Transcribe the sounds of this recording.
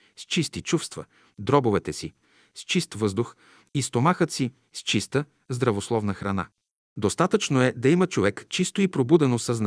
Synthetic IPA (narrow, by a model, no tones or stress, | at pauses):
st͡ʃist̪it͡ʃufst̪və̰ | d̪ɾɔbovɛt̪ɛsi | st͡ʃist̪vɤzd̪ʊx | ist̪omaxət̪si | st͡ʃist̪ə | zd̪ɾɐvoslˠɔvnəxɾɐna̰ | d̪ost̪at̪ət͡ʃnoɛd̪ɐimət͡ʃovɛkt͡ʃist̪oipɾobud̪ɛnosɐzna